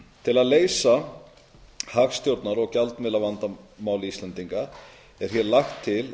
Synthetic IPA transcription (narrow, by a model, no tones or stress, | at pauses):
t̪ʰɪlaðleːjsa | haːxst̪jowɾt̪naɾɔɣcalt̪nmɪlːavant̪amaːwlɪist̪lɛnt̪iŋka | ɛɾ̥çjɛɾlaxt̪ʰːɪl